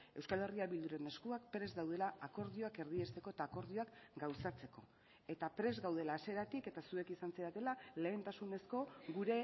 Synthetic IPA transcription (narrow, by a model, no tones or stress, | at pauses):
e̞wskale̞riaβild̪uɾe̞ne̞skuakpɾe̞zd̪awð̞e̞laːko̞ɾð̞io̞ake̞ɾðiest̪e̞ko̞et̪aːko̞ɾð̞io̞akɡawsat͡se̞ko̞̰ | e̞t̪apɾe̞zɣawð̞e̞laːse̞ɾat̪ike̞t̪asue̞kisanseɾat̪e̞lale̞ːnt̪asune̞sko̞ɡuɾe̞